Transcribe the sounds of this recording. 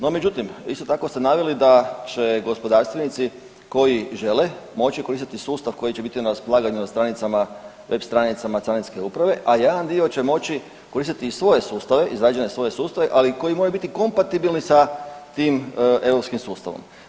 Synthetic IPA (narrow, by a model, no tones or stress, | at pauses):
no̞me̞d͡ʑut̪imḭst̪o̞t̪ako̞st̪e̞naʋelid̪at͡ɕe̞ɡo̞spo̞d̪aːɾst̪ʋenit̪si | ko̞jiʒe̞le | mo̞t͡ɕiko̞ɾist̪it̪isuːst̪aʋko̞jit͡ɕe̞bit̪inaɾaspolˠaːɡaɲunast̪ɾanit̪sama | ʋe̞bst̪ɾanit̪samasɾanit̪ske̞upɾaʋe̞ʔajed̪and̪io̞t͡ɕe̞mo̞t͡ɕi | koɾist̪it̪isʋo̞je̞suːst̪aʋe̞ʔizɾaːd͡ʒenesʋo̞je̞suːst̪aʋe̞ʔaliko̞jimoɾabit̪iko̞mpat̪ibilnisat̪iːme̞ʋɾo̞pskimsuːst̪aʋo̰m